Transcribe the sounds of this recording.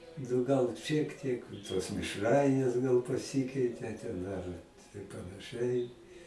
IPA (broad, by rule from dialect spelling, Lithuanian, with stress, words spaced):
nʊ ˈɡɐlˠ ʃʲiɛk ˈtʲiɛk toːs mʲɪʃˈrɐɪnʲeːs ɡɐlˠ pɐˈsʲɪkʲɛɪtʲeː tʲɛn ɐr tɐɪ pɐnɐˈʃɨɐɪ